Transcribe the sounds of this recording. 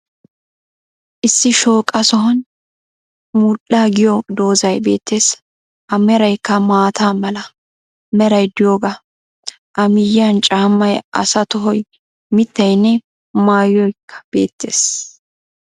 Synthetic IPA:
ʔɪsːɪʃo̞ːkʼɐsɔɦɐn | muːɗːaːɡɪjɔd̪o̞ːzɐjbe̞̰ːt̪ːe̞ːs | ɐmɛɾɐjkːɐmaːt̪ʰaːmɐlɐ | mɛɾɐjd̪ɪjoːɡɐ | ʔɐmɪjɐnt͡ʃʼaːmːɐjʔɐ̰sɐt̪ɔɦɔj | mɪt̪ːɐjnːɛ | maːjːɔjkʰːɐ̥b̥e̞̰ːt̪ːe̞̰ːs

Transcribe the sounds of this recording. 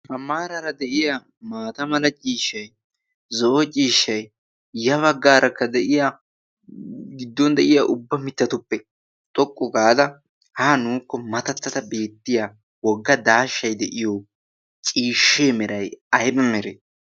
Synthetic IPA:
hɐmːaːɾɐɾɐd̪ɛʔɪja | maːt̪ɐmɐlɐt͡ʃʼiːʃːɐj | zɔʔɔt͡ʃʼiːʃːɐj | jɐβɐɡːaːɾʔɐkːɐd̪ɛʔɪja | ɡɪd̪ːɔnd̪ɛʔɪjaʔʊbːɐmɪt̪ːɐt̪ʊpːɛ | t̪ʼɔkʼːɔɡaːd̪ɐ | haːnuːkːɔmɐt̪ɐt̪ːɐt̪ɐbe̞ːt̪ːɪja | wɔɡːɐd̪aːʃːɐjd̪ɛʔɪjɔ | t͡ʃʼiːʃːeːmɛɾɐjɐjbɐmɛɾeː

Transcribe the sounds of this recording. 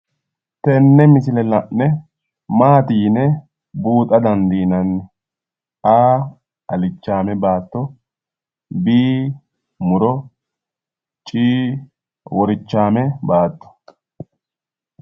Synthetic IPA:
t̪ɛnːɛmɪsɪlɛlɐnːɛ | maːt̪iːnɛ | buːt̪ʼɐd̪ɐnd̪iːnɐnː | aː | ɐlɪt͡ʃːaːmɛbaːt̪ːɔ | biː | mʊɾɔ | t͡ʃʼiː | wɔɾɪt͡ʃːaːmɛbaːt̪ːɔ̥

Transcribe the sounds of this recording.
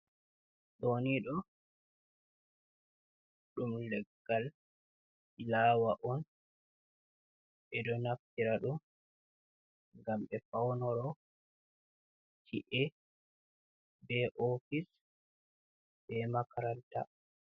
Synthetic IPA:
ɗoniɗɔ | ɗumlɛɡːal | aːwaʔɔn | ɓɛdɔnaftiɾaɗum | ŋɡamɓɛfawnɔɾɔ | tʰiʔɛ | bɛʔofis | bɛmakaɾanta̰

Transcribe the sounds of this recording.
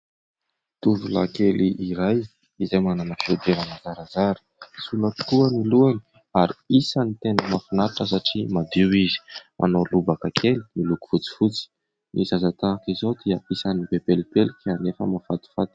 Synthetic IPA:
t̪uvula̰keliʔiɾaj | izajmananafewd̪eɾanazaɾazaɾə̥suləpi̥t̪uaniluani | aɾiisanit̪enəmafinaɾaʈ͡ʂəs̬aʈ͡ʂimad̪iwizi̥mʔa̰nolubakakʰeli̥miluku̥fut͡si̥fut͡si̥ | nʔizazat̪aːkizowd̪iəisanibebelipelikʲainefə̰mafat̪i̥fat̪i̥

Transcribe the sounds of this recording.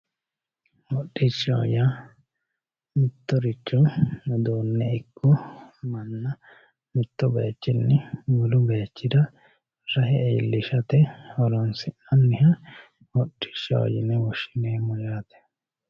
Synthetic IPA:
wɔɗːɪt͡ʃːɐwɔ̰ja | mɪt̪ːɔɾɪt͡ʃːʊd̪oːnːɛɪkːʊmɐnːɐ | mɪt̪ːɔbeːt͡ʃːɪnːɪɡʊlʊbeːt͡ʃːɪd̪ɐ | ɾɐɦɛɛ̰ːlːɪʃɐt̪ɛɔɾɔnsɪʔɐnːɪɦɐ | wɔɗːɪ̥t͡ʃːɐ̰wɔ̰jɪnɛwɔʃɪneːmɔjaːt̪ɛ̥

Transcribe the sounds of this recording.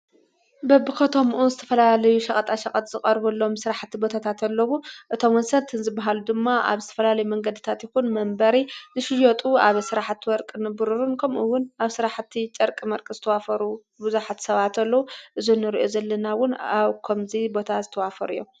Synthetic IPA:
bɐbɨkɐt̪ʰo̞mʔunzɨt̪ʰɐ̥fɐlalɐjuʃɐkʼɐt̪ʼaʃɐkʼɐt̪ʼzɨkʼɐɾbulːomsɨɾaħt̪ʰːibo̞t̪ʰat̪ʰat̪ɐlːɐwuʔɨt̪ʰo̞mwɔnsɐnt̪ʰɨnzɨbːaɦalud̪ɨmːaa̰βzɨt̪ʰɐ̥fɐlalɐjumɐŋɡɐd̪ɨt̪ʰat̪jɪxunmɐmbɐɾizɨʃɪjot̪ʼuaβsɨɾaħt̪ʰːwɔɾkʼɨnɨbɨɾuɾunkʰɐmʔuwːʊnaβsɨɾaħt̪ʰːit͡ʃʼɐɾkʼimɐɾkʼɨzɨt̪ʰɐwafɐɾu | buzuħat̪sɐβat̪ɐlːɐwuʔɨzunːɨɾiʔozɐlːɐnawʊnaβkʰɐmzibo̞t̪ʰazɨt̪ʰɐwafɐɾṵjːo̰m

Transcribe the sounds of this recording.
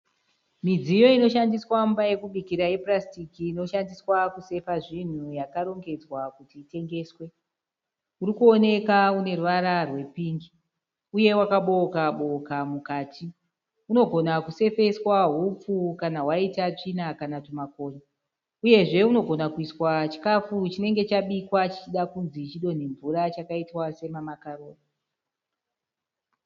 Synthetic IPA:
mid͡zijo̞ino̞ʃandiswambaje̞kuɓikiɾaje̞prastikiːno̞ʃandiswakuse̞faʐin̤ujakaɾo̞ŋɡe̞d͡zwakutiːte̞ŋɡe̞ːswe̞ | uɾikuo̞ne̞kaune̞ruʋaɾarwe̞piːŋɡi | uje̞wakaɓo̞kaɓokamukaːtʰi | uno̞ɡʱo̞nakuse̞fe̞swaɦup͡fukanaɦwaitat͡ʂinakanatumako̞ːɲa | uje̞ʐe̞uno̞ɡʱo̞nakuiswat͡ʃi̥kafut͡ʃine̞ŋɡe̞t͡ʃaɓikwat͡ʃit͡ʃiɗakunzit͡ʃiɗo̞ne̞ɱvuɾat͡ʃakaitwase̞mamakaroːro

